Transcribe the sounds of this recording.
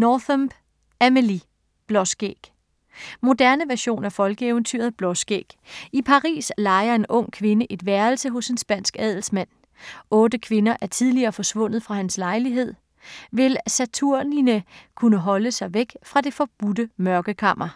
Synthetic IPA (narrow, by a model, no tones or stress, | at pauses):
nɒːθɔm̥ | æməli | b̥lɒ̽sɡ̥ḛɡ̥ | mo̝d̥æɐnəʋæɐɕo̝̰ːnæɐfɒ̽lɡ̥əeʊənt͡sʰy̰ːɐð̩ˠb̥lɒ̽sɡ̥ḛːɡ̥ipʰɑ̈ʁḭːslɑ̈ɪɐe̝nʔɔ̽ŋ̰kʰʋe̝nəʔe̝d̥ʋæɐlsəɦɔ̽se̝nsb̥æn̰sɡ̥ɛð̰ˠl̩smæn̰ | ʔɔ̽ːd̥əkʰʋe̝nɐʔæɐt͡sʰiðˠliɐːfɒ̽sʋɔ̽n̰ð̩ˠfʁɑ̈hænslɑ̈ɪliɦe̝ð̰ˠ | ʋe̝lsæt͡sʰuɐ̰ninəkʰunəɦɒ̽ləsɑ̈ɪʋeɡ̥fʁɑ̈d̥e̝fɒ̽b̥ud̥əmɶɐɡ̥əkʰɑ̈m̰ɐ